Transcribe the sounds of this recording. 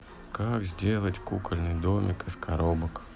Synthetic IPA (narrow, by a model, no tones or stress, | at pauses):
kakzʲdʲelˠətʲkukəlʲnɨjd̪omʲɪkɨskʰaɾobək